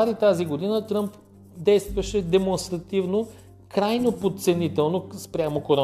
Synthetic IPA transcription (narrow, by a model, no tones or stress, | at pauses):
aɾit̪aziɡod̪inət̪ɾəmp | d̪ɛjst̪vɐʃɛd̪ɛmonst̪ɾɐt̪ivno | kɾajnopot̪t̪sɛnit̪ɛlˠnospɾʲamokoɾɔ